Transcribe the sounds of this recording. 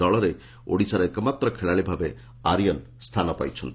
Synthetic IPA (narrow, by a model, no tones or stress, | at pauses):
ɔɭɔɾe | o̰ɽisaɾɔekɔmat̪ɾɔkʰeɭaɭibʱabe | aɾijɔn | st̪ʰanɔpa̰jt͡ʃʰɔnt̪i